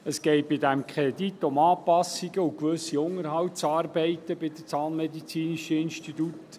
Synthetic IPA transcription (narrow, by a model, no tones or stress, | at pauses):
əsɡ̥ɛɪt̚b̥ɪdæmkʰχʁedit̪ːʊmɑːpɑsiɡəukʋɵsiʊŋəɾɦɑwt̚t͡sɑːrbɛɪt̪əbɪd̥̪ət͡sɑːnmɛdit͡siːniʃəɪnʃtit̪ut